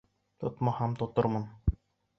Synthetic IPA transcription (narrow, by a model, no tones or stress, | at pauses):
t̪ŏt̪mɑhɑmt̪ŏt̪ɤ̆ɾmɤn